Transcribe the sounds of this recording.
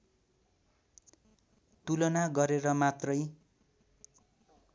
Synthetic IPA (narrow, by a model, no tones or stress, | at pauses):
t̪ulʌnaɡʌɾeɾʌmat̪rʌj